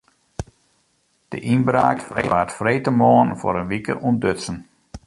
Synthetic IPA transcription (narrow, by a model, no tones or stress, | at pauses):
d̥ə̰ʔinbɾaːkḛʋaːtfreːtəmoənfo̰ɾənʋikə̰ʔundøsən